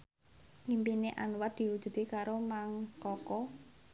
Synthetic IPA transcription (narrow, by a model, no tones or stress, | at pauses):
ŋimpineʔanwar̚d̪̥i̤wud̥ʒ̥ṳd̪ekaɾomaŋkɔkɔ